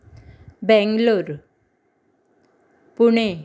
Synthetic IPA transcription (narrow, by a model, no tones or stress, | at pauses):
bɛ̃ŋɡloɾ | puɳe